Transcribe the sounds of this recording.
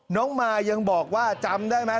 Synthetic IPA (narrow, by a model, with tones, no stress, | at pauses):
nɔː˦˥ŋmaː˧ja˧ŋbɔː˨˩k̚waː˥˩t͡ɕa˧mdaː˥˩jma˦˥